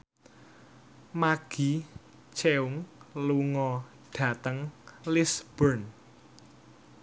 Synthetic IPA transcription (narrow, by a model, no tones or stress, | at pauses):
maɡ̥i̤ | t͡ʃʰeuŋluŋɔ | ɖ̥ä̤t̪əŋlisb̥ərn